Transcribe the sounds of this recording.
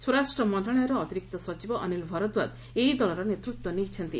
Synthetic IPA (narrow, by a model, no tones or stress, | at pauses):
swɔɾasʈɾɔmɔnd̪ɔɭɔjɔɾɔːt̪iɾik̚t̪ɔsɔt͡ʃibɔʔːnilbʱɔɾɔd̪waz | eɦid̪ɔlɔɾɔnet̪ɾut̪wɔnit͡ʃʰɔnt̪i